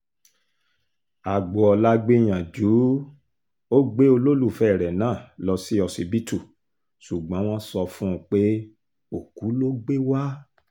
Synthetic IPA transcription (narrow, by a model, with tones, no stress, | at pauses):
a˨ɡ͡bɔ˨ɔ˧la˦ɡ͡be˦j̃ã˨d͡ʒu˨˦ | o˦ɡ͡be˦o˧lo˦lu˦˨fɛ˦˨ɾɛ˨nãː˦˨lɔ˧si˦ɔ˧si˧bi˦tu˦˨ | su˨ɡ͡bɔ̃˨˦w̃ɔ̃˦sɔ˧fũ˦˨k͡pe˦ | o˨ku˨˦lo˦ɡ͡be˦wa˦